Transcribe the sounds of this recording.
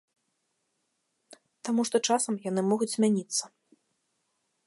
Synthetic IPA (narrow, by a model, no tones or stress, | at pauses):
t̪amuʂt̪ɔt͡ʂasɐmjanɨmɔɣut͡sʲzʲmʲanʲit̪sːɐ